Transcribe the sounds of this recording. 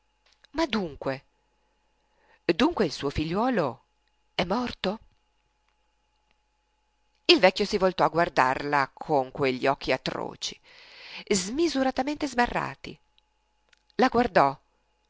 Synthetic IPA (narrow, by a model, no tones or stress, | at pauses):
mad̪uŋkwe | d̪uŋkweilsuːofiʎːwɔːlo | ɛmːɔrt̪o | ilvɛkʲːjosivolt̪ɔaɡward̪a̰rlakʰoŋkweʎːiɔkːiat̪ɾɔ̰ːt͡ʃi̥ | zmizuɾat̪ament̪ezbarːa̰ːt̪ḭ | laɡward̪ɔ